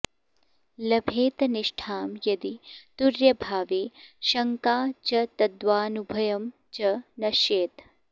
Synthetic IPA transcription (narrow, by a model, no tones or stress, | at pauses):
lɐbʱeːt̪ɐniʂʈʰaːmjɐd̪it̪uɾjɐbʱaːʋeːʃɐŋkaːt͡ʃɐt̪ɐd̪ʋaːnubʱɐjɐm | t͡ʃɐnɐʃeːt̪